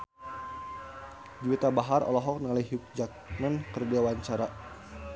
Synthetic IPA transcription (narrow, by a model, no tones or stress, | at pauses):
d͡ʒuwit̪abaɦarʔɔ̰lɔɦɔk̚nəŋalaɦiuk̚d͡ʒak̚mankərdiawaɲt͡ʃaɾa